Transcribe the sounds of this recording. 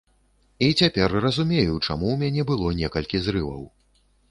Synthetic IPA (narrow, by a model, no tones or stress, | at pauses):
it͡sʲapʲɛrrɐzumʲejut͡ʂa̰muwmʲanʲɛbɨlˠɔnʲɛkɐlʲkʲizɾɨvɐ̰w